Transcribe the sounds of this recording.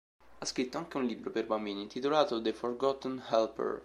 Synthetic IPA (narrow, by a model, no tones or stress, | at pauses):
askɾit̪ːɔŋkeũnlibɾɔpɛɾbaminit̪it̪ulat̪ɔd̪efɔɾɡɔt̪ənhɛlpə̰ɹ